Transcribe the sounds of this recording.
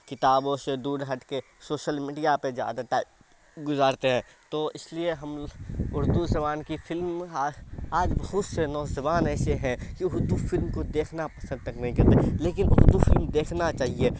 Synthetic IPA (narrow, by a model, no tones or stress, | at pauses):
kɪt̪aːboːʃed̪uːɖɦɐʈke | soːʃəlmiːɖijapezja̰ːd̪aʈaːɪb | ɡʊzaːɾt̪eɦɛ̃ː | t̪oːɪslieɦɐmʊɾd̪uzɐbaːnkifɪlm | aːd͡ʒbɐɦʊt̪senɔːzɐbaːnɛːseɦɛ̃kiʊɾd̪ufɪlmkod̪eːkʰnapɐsə̃nd̪ɾɐkneɦĩkɐɾt̪eleːk̬ɪnʔʊɾd̪ufɪlmd̪eːkʰnat͡ʃaːɦie